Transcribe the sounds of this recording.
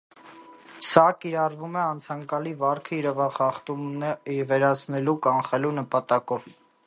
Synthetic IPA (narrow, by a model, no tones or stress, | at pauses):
sɑkiɾɑrvumɛɑnt͡sʰɑŋkɑlivɑɾkʰəiɾɛvɑχɑχt̪umnvɛɾɑt͡sʰnɛlukɑnχɛlunəpɑt̪ɑkɔv